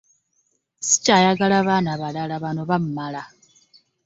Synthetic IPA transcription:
si̥cajaɡalaβanaβalalaβano̞βammala

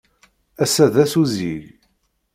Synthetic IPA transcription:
æsæðæsuziʝ

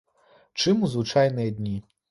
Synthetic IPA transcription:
t͡ʂɨmuzvut͡ʂajnɨjɐd̪ʲnʲi

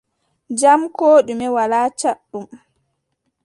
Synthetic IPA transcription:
d͡ʒamkoːɗumɛwalaːt͡ʃaɗːum

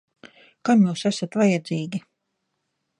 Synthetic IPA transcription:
kamjuːsæsat̪vajɛd̪ziːɡʲi

